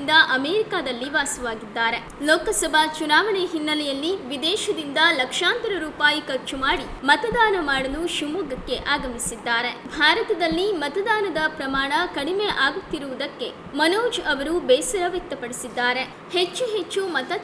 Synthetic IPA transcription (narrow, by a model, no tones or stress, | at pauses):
nd̪ɐʔɐmeːɾikaːd̪ɐlːiʋaːsɐʋaːɡid̪ːaːɾe̞ | loːkɐsɐbʱat͡ʃunaːʋɐɳɛɦinːɐlɛjɐlːiʋid̪ɛːʃɐd̪ind̪ɐlɐkʂaːnt̪ɐɾɐɾuːpaːjikɐɾt͡ʃumaːɽi | mɐt̪ɐd̪aːnɐmaːɽɐluʃumuːɡɐkːe̞ʔaːɡɐmisid̪ːaːɾe̞bʱaːɾɐt̪ɐd̪ɐlːimɐt̪ɐd̪aːnɐd̪ɐpɾɐmaːɳɐkɐɽimeʔaːɡut̪ːiɾuʋud̪ɐkːe̞ | mɐnoːd͡ʒɐʋɐɾubɛːsɐɾɐʋjek̚t̪ɐpɐɽisid̪ːaːɾe̞ | het͡ʃːuɦet͡ʃːumɐt̪ɐ